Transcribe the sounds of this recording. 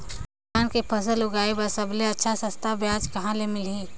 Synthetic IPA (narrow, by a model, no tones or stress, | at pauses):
aːnkepʰəsəlʊɡaːebəsɐbleɐtːʃʰasɐ̃st̪ʰabjaːd͡ʒkɐɦãlemɪlɦiː